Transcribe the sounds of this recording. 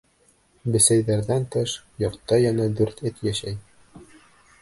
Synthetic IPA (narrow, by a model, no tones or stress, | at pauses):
bɘ̆sæjðæɾðænt̪ɤʃjɑqt̪ːɑjɑnɑd̪ʉɾt̪ɘt̪jæʃæj